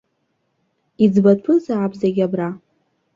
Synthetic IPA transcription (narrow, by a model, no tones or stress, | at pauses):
id͡zbapʰɨzaʕːbzaɡʲabra